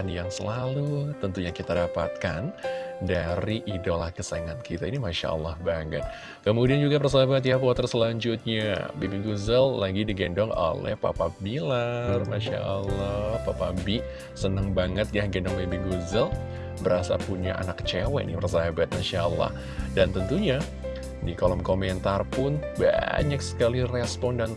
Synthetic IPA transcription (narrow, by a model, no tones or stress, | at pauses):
anjaŋsəlalut̪ənt̪uɲakit̪adapa̰t̪̚kandaɾiʔidolahkəsaŋankit̪ainimaʃa̰ʔə̰lːahbaŋə̰t̪̚ | kəmudiand͡ʒuɡapərs̬aɦabat̪japuat̪ərsəlaɲd͡ʒut̪̚ɲa̰bibiɡuzəllaɡidiɡɛndɔŋo̰lɛ̰hpa̰pabilarmaʃa̰ʔəlːahpapabiʔ | sənəŋbaŋət̪̚jahɡɛndɔŋbebiɡuzəl | bəɾasa̰puɲa̰ʔa̰nakt͡ʃewɛ̰nipərs̬aɦabat̪̚maʃaʔəlːa̰h | dant̪ənt̪uɲa | dikolɔmkomɛnt̪arpʊnba̰ɲaksə̥kalirɛspɔndan